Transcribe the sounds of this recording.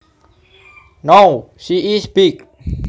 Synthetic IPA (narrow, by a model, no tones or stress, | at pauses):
nowʃiisbik̚